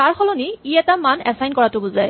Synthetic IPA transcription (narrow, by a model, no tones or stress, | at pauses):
aɹxɔlɔniiɛtamanɛsajnkɔɹatʊbuzaj